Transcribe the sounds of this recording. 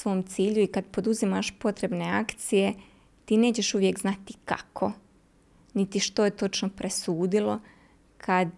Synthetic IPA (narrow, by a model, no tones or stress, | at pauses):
sʋo̞ːmt̪siːʎuikad̪po̞d̪uzimaʃpo̞t̪ɾe̞bne̞akt̪sije̞ | t̪iːne̞ːt͡ɕe̞ʃuʋje̞kznat̪i̥ka̰kʰo̞ | nit̪iʃt̪o̞jet̪o̞t͡ʃnopɾesuːd̪ilˠo̞ | kʰad̪